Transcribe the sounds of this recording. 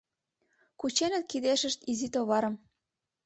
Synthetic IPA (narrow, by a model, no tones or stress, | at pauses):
kut͡ɕenə̆t̪̚kid̪eʃə̆ʃt̪izit̪oβɑɾɤ̆m